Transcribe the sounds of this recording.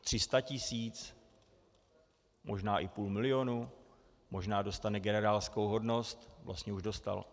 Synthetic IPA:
t̪r̝̥ɪst̪acɪsiːt͡s | mʔo̞ʒnaːʔɪpuːlmɪlɪjo̞nu | mo̞ʒnaːdo̞st̪anɛɡɛnɛɾaːlskowɦo̞dno̞st̪vlʔa̰st̪ɲɛuʒdo̞st̪a̰l

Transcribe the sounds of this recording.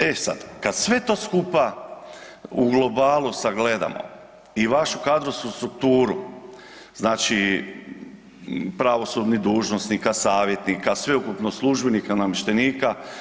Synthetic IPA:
esa̰d̪̥kad̪sʋe̞t̪o̞ːskupa | uɡlˠo̞baːlˠusaɡle̞d̪a̰mo̰ | iʋaʃukaːd̪ɾoskust̪ɾukt̪uːɾu | znaːt͡ʃi | pɾaʋo̞sud̪nid̪uːʒnosnikasaːʋje̞t̪nikasʋe̞ukupnoslˠuʒbenikanamiʃt̪eniːka

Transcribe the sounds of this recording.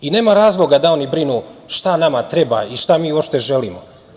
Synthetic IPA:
ine̞ːmaɾaːzlˠo̞ɡad̪ao̞nibɾinuːʃt̪anamat̪ɾe̞ba̰iʃt̪amiːuwopʃt̪e̞ʒeliːmo

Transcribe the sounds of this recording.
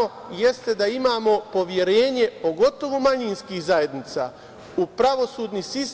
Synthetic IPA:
o | je̞st̪e̞d̪aimaːmo̞po̞ʋje̞ɾe̞ːɲe̞poɡo̞t̪o̞ʋumaɲinskiːxzaje̞d̪nit̪sa̰ː | upɾaʋo̞suːd̪nisis

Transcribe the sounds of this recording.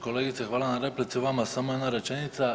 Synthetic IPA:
ko̞leɡit̪sexʋaːlanaɾe̞plit̪siʋamasamoenaɾe̞t͡ʃenit̪sa

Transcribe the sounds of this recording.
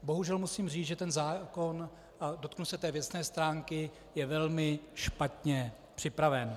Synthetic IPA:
bo̞ɦuʒɛlmusiːmriːt͡sʒɛt̪ɛnzaːko̞n | ʔado̞t̪knusɛt̪ɛːvjɛsnɛːst̪ɾaːŋkɪ | jɛvɛlmɪʃpat̪ɲɛ | pr̝̥ɪpɾavɛn

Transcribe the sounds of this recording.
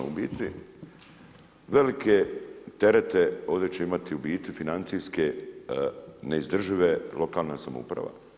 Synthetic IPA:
ṵbiːt̪i | ʋe̞like̞t̪e̞ɾet̪e̞o̞ːʋd̪je̞t͡ɕe̞imat̪iubiːt̪ʋifinant̪siske | neizd̪r̩ʒiʋe̞lo̞kaːlˠnasamo̰ṵpɾa̰ʋa̰

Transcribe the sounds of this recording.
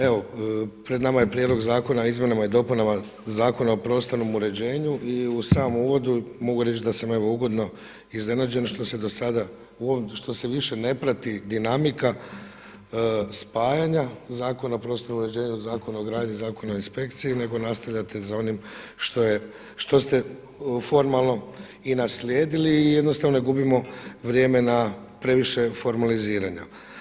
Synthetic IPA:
e̞ʋo̞pɾed̪namaje̞pɾjed̪lo̞ɡzaːko̞naizmje̞namaid̪o̞punama | zaːko̞naopɾo̞st̪ano̞muɾe̞d͡ʑe̞ːɲuʔiusaːmuːʋo̞d̪umo̞ɡuɾe̞t͡ʃd̪asame̞ʋo̞uɡo̞d̪no̞ | izne̞nad͡ʑe̞nʃt̪o̞sed̪osad̪a | uʃt̪o̞seʋiʃe̞ne̞pɾat̪id̪inamika | spaːjaɲazaːko̞napɾo̞ːst̪o̞ɾumuɾe̞d͡ʑe̞ːɲuzaːko̞naoɡɾaːd̪ɲizaːko̞naoinspe̞kt̪siine̞ɡo̞nast̪aʋʎʲat̪ʰezao̞nim | ʃt̪o̞je | ʃt̪o̞st̪e̞ | fo̞ɾmalˠno̞ | inaslʲjeːd̪iliːjed̪nost̪aʋnoneɡubimo̞ʋɾje̞ːmena | pɾe̞ʋiʃe̞fo̞ɾmaliziːɾaɲa

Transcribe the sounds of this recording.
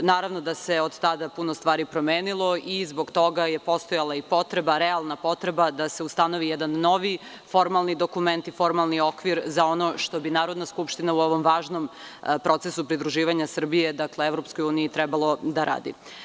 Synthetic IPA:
naːɾaʋnod̪ase̞od̪t̪ad̪apunost̪ʋaːɾipɾo̞meːnilˠo̞izbo̞ɡt̪o̞ɡaje̞po̞st̪ojalˠaipo̞t̪ɾebaɾealˠnapo̞t̪ɾebad̪ase̞ust̪ano̞ʋijɛd̪anːo̞ʋi | fo̞ɾmalˠnid̪o̞kument̪ifo̞ɾmalˠnio̞kʋiɾzao̞no̞ʃt̪o̞binaːɾod̪naskupʃt̪inauo̞ʋo̞mʋaːʒnompɾo̞t̪sesupɾid̪ɾuʒiːʋaɲasr̩bije̞d̪akleevɾo̞psko̞juːniit̪ɾɛbalˠo̞d̪aɾa̰ːd̪ḭ

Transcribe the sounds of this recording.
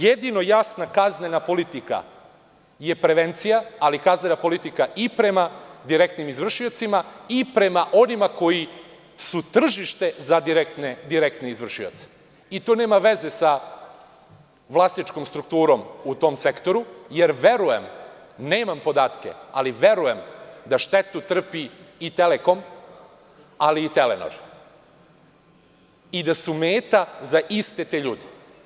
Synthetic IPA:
jed̪ino̞jasnakaznenapo̞lit̪ika̰ | je̞pɾe̞ʋent̪sijaalikazne̞napo̞lit̪ikaʔipɾe̞mad̪iɾe̞k̚t̪nimizʋr̩ʃio̞t̪simaipɾe̞maʔo̞nimako̞ji | sut̪r̩ʒiʃt̪e̞zad̪iɾekt̪ned̪iɾekt̪neizʋr̩ʃio̰t̪se̥ | it̪one̞ːmaʋe̞ze̞sa | ʋlˠasnit͡ʃko̞mst̪ɾukt̪uːɾo̞mut̪o̞mse̞kt̪o̞ɾuje̞ɾʋe̞ɾuje̞m | ne̞ːmampo̞d̪aːt̪ke̞̰a̰liʋe̞ɾuje̞md̪aʃt̪e̞t̪ut̪r̩piːt̪eleko̞m | aliːt̪eleno̰ɾ | id̪asumeːt̪azaʔist̪et̪eːʎuːd̪i

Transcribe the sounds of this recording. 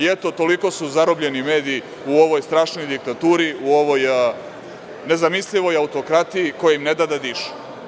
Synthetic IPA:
et̪o̞t̪o̞liko̞suzaɾobʎenimeːd̪ii | uoʋo̞jst̪ɾaːʃno̞jd̪ik̚t̪at̪uːɾiuoʋo̞j | ne̞zamisʎʲiʋo̞jaut̪o̞kɾat̪ijikojaimned̪ad̪ad̪iʃu̥

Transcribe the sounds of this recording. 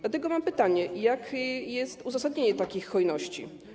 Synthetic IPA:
dlat̪ɛɡɔmampɘt̪aɲɛjakjɛst̪uzasad̪ɲeɲɛt̪akʲixːɔjnɔɕt͡ɕḭ

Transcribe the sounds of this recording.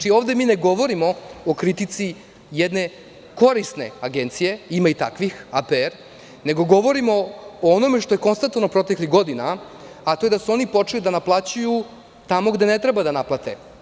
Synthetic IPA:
ioːʋd̪e̞miːneɡo̞ʋo̞ɾimo̞okɾit̪it̪si | jed̪ne | ko̞ɾist̪ne̞̰aɡe̞nt̪sije̞imait̪a̰kʋixapeeɾ | ne̞ɡo̞ɡo̞ʋo̞ɾimo̞ːono̞meʂt̪o̞jeko̞nst̪ant̪ovanopɾo̞t̪e̞kliɣɡo̞d̪ina | at̪o̞jed̪asuo̞nipo̞t͡ʂelid̪anaplˠat͡ɕuju | t̪amo̞ɡd̪e̞ne̞t̪ɾebad̪anaplˠat̪e̞

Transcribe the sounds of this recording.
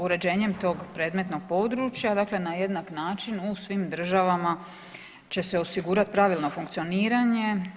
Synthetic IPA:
uɾe̞d͡ʑe̞ːɲe̞mt̪o̞ɡpɾe̞d̪me̞t̪no̞ɡ̥̚po̞ːd̪ɾuːt͡ʃjad̪akle̞naje̞d̪naknaːt͡ʃinusʋimd̪r̩ʒaʋama | t͡ɕe̞seo̞siɡuːɾat̪pɾaʋilˠno̞fuŋk̚t̪sio̞niːɾaɲe̞

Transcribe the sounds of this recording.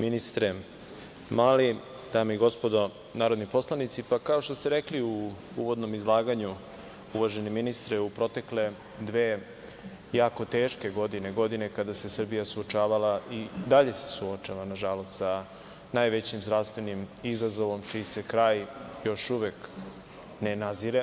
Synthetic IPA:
minist̪ɾe | maːli | d̪aːmeiɡo̞spo̞d̪o̞ | naːɾo̞d̪nipo̞slˠanit̪sipakao̞ʃt̪o̞st̪eɾe̞kliu | uʋod̪no̞mizlˠaːɡaɲu | uʋaʒeniminist̪ɾeupɾo̞t̪e̞kle̞ | d̪ʋeː | jaːko̞t̪eːʃke̞ɡo̞d̪ineɡo̞d̪ine̞kad̪ase̞sr̩bijasuot͡ʃaːʋalaʔid̪aʎe̞sesuo̞t͡ʃaʋanaʒalo̞st̪sa | najʋet͡ɕimzɾaʋst̪vʋe̞nimizazo̞ʋo̞mt͡ʃiːse̞kɾaːjjo̞ʃuʋek | nenaziɾe

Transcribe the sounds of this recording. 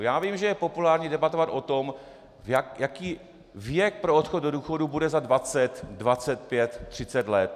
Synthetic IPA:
jaːviːmʒɛjɛpo̞pulaːɾɲiːdɛbat̪o̞vat̪ʔo̞t̪o̞m | vjajakiː | vjɛk̚pɾoot̪xod̪doduːxo̞dubudɛzadvat͡sɛt̪dvat͡sɛt̪̚pjɛt̪ːr̝̥ɪt͡sɛt̪lɛt̪

